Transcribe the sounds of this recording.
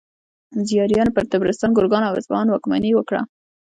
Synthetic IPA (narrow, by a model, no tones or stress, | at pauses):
zijɑɾjɑnopəɾt̪abɾɪst̪ɑnɡʊɾɡɑnawɪ̰zbɑnwɑkma̰niwəkɽa̰